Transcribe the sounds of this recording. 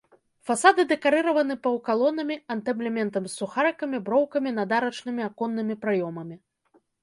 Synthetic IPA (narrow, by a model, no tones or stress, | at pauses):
fasad̪ɨd̪ɛkaɾɨɾɐvɐnɨpɐwkalˠɔnɐmʲiɐnt̪ɛblʲɛmʲɛnt̪ɐmsːuxaɾɨkɐmʲibɾɔwkɐmʲinad̪aɾɐt͡ʂnɨmʲiakɔnːɨmʲipɾajɔmɐmʲi